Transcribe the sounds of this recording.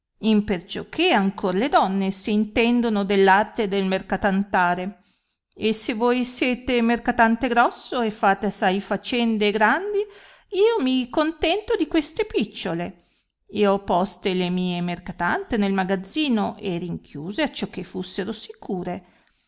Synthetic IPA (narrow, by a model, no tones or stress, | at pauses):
impert͡ʃok̟ʰːeaŋkoɾaled̪ɔnːesiːnt̪ɛnd̪onod̪elːart̪ed̪elmerkat̪ant̪aːɾe | esevojsjɛːt̪emerkat̪ant̪eɡɾɔsːoefːaːt̪easːajfat͡ʃɛnd̪eːɡɾand̪i | iːomikont̪ɛnt̪od̪ikwest̪epit͡ʃːole | eɔpːɔst̪elemiːemerkat̪ant̪enelmaɡad̪zːiːnoʔeriŋkʰjuːzeat͡ʃːɔkːefːusːeɾosikʰuːɾe